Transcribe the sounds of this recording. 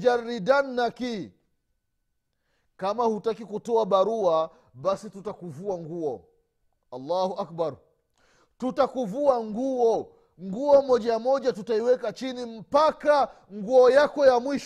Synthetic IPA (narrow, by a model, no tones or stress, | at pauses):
d͡ʒaːidanːaki | kamahutakikutɔaɓaɾua | ɓasitutakuvuaŋɡuɔ | alːaːhuʔak̚baɾ | tutakuvuaŋɡuɔ | ŋɡuɔmɔʄamɔʄatutaiwɛkat͡ʃinim̩paka | ŋɡuɔjakɔjamwiʃ